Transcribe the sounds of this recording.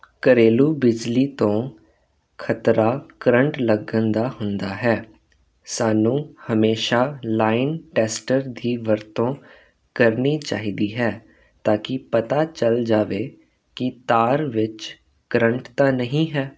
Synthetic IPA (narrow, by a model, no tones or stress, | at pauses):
kəɾeːluːbɪd͡ʒliːt̪õː | kʰət̪ɾaːkəɾəɳʈləɡə̃nd̪aːɦʊnd̪aːɦɛː | saːnũːhəmeːʃaːlaːɪnʈɛːsʈəɾd̪ʱiːʋəɾt̪õː | kəɾniːt͡ʃa̰ːɦiːd̪iːɦɛː | t̪aːkɪpət̪aːt͡ʃəld͡ʒaːʋeː | kɪt̪aːɾʋɪt͡ʃ | kəɾəɳʈt̪aːnəɦĩːɦɛː